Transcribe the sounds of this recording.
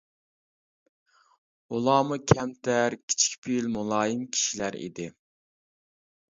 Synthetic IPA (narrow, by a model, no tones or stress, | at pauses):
ulˠɑːmukʲʰɛmt̪ʰæɾkʲʰi̥t͡ʃʰi̥kʲpʰilmulˠɑːjɨmkʲʰi̥ʃilæɾḭd̪ɪ